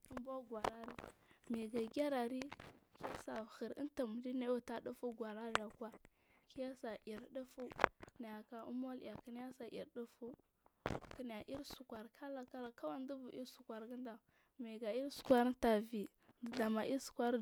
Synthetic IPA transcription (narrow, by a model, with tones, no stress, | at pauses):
u˦mba˦ɡwa˨ɾa˦ɾi˦mi˨ɡa˨ɡʲa˦ɾa˨ɾi˦ki˦ja˦sa˨xə˨ɾḭ˦ta˨m˨di˦ne˦wu˨ta˦du˦fu˦ɡʷa˨ɾa˦ɾa˨kwa˦ | ki˦ja˦sa˨ʔi˨ɾdu˦fu˦na˨ja˨ka˨ṵ˦mo˦l̰ja˨ki˨n˦ja˦sa˨ʔḭ˨ɾdu˦fu˦ | kə˨n˨ja˨ʔi˦ɾsu˨kʷa˨ɾkʰa˦la˨ka˦la˨ka˦wa˦n˦du˦vu˨ʔi˦ɾsu˨kʷa˨ɾɡə˦nda˨ | mi˨ɡa˨i˦ɾsu̥˨kʷa˦ɾta˨vi˨ | də˨da˨ma˨ʔi˦su̥˨kʷa˦ɾ